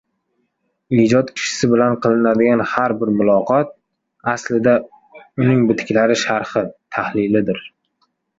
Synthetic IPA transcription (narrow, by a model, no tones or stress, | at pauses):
ɪd͡ʒɒt̪kʲʰɪ̥ʃɪ̥sɪbɪlanqʰɨlˠɪnad̪ɪɡʲanhaɾbɪɾmʊlˠɒqʰɒt̪̚ | aslɪd̪a | ʊnɪŋbɪt̪ʰɪ̥kʲlaɾɪʃaɾχɨt̪ʰahlɪlɪd̪ɪɾ